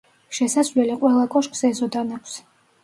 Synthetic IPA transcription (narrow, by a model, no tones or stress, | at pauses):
ʃɛsazvlɛliqʼwɛlˠakʼɔʃkʼsɛzɔd̪anakʷʰs